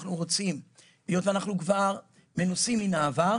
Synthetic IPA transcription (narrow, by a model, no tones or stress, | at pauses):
χnuʁo̞t͡sim | lijo̞t̪veanaχnukvaʁ | me̞nusimːinaːva